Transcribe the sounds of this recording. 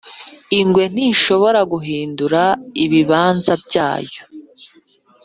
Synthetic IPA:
iŋɡwe̞n̥iːʃo̞βo̞ɾaɡuɦiːnduɾaiβiβaːnzabɟaːjo̥

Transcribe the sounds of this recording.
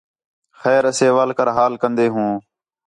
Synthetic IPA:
xɛːɾəseːʋaːlkəɾɦaːlkənd̪eːɦũː

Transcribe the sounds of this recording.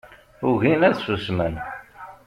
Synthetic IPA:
ʊʝinæðsusmən

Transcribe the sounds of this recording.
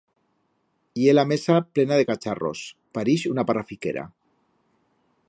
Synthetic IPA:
ielamesaplenaðekat͡ʃaro̰s | paɾiʃunaparafikḛɾa̰

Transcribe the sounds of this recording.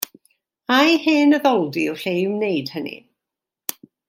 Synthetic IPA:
ajheːnəðɔlˠdiəwɬejmnejd̥hənḭ

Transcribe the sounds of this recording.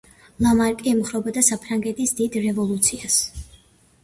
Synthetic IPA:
lˠamaɾkʼiɛmχɾɔbad̪asapʰɾaŋɡɛt̪ʰisd̪id̪ɾɛvɔlˠut̪sʰias

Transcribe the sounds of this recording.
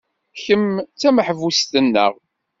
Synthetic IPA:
çəmt͡sːæməħvust̪ənːə̰ʁ

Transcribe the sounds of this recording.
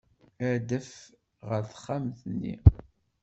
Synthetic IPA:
æɾd̪əf | ʁəɾθχːamθnːḭ

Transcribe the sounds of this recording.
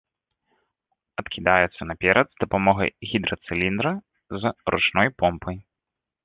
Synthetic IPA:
ɐt̪kʲʰid̪ajɛt̪sːɐnapʲɛɾɐd̪zd̪ɐpamɔɣɐ̰jɣʲid̪ɾɐt̪sɨlʲind̪ɾɐ | zɾʔṵt͡ʂnɔjpɔmpʰɐj

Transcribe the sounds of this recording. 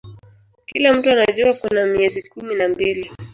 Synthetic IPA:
kilam̩tuanaʄuakunamiɛzikuminambili

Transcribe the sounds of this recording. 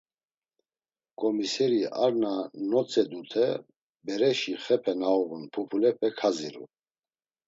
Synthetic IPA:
kʼɔmisɛɾiaɾnanɔt͡sʼɛd̪ut̪ʰɛ | bɛɾɛʃiχɛpʰɛnaɔʁunpʰupʰulɛpʰɛkʰaziɾṵ

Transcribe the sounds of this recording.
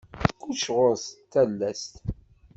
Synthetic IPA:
kːuʃʁoɾst̪ːælːæst̪

